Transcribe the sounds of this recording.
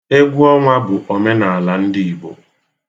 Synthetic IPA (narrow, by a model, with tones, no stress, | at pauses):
e˦ɡʷu˦ɔ˦ŋʷa˦bʊ˨ʔo˨me˦na˨a˨la˨n̩˦dɪ˦˨i˨bo̰˨